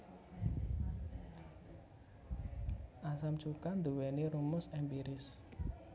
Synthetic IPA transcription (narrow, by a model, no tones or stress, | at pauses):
ʔasamt͡ʃukand̪uwɛniɾumʊsɛmbiɾɪs